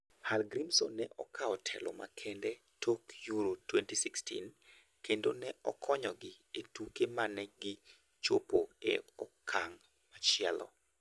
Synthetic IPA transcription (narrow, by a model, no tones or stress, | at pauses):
halɡɾimsonːɛʔɔ̰kʰaɔtʰɛ̰lɔ̰ma̰kʰɛndɛ | tʰokjuɾotwɛntisikstʰḭn | kendonɛʔɔkʰɔɲɔɡɪ | etukemanɛɡɪ | t͡ʃopoḛɔkʰːaŋ | mat͡ʃɪɛlɔ̰